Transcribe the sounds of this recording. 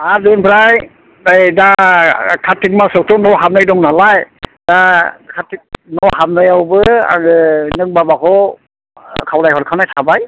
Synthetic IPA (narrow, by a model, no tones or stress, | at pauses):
aɾdɯnbʰɾaj | ɯjdakʰatʰːik̚masɔk̚tʰɔnɔwɦab̚najdɔŋnalajdakʰatʰik̚nɔwɦab̚nɯjawbɯa̰ɯnɯk̚babakʰɔ | kʰawlajhɔɾkʰanajtʰabaj